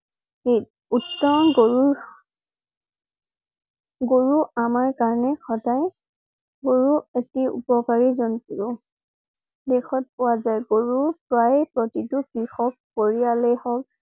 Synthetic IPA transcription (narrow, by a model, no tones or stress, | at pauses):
e | utːɔnɡoɹu | ɡoɹuamaɹkaɹɔnɛxɔdaj | ɡoɹuetiṵpɔkaɹizɔntuɹʊ | dexɔt̚pʊwazajɡoɹupɹajpɹɔtitʊkɹixɔk̚poɹialɛhɔk